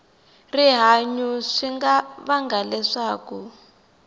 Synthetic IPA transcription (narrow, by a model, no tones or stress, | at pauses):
riɦaɲuʂiŋɡaβaŋɡalɛʂaːku